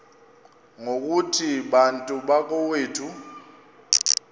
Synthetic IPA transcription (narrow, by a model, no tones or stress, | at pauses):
ŋok̬ʼutʰiɓantʼuɓak̬ʼɔweːtʰu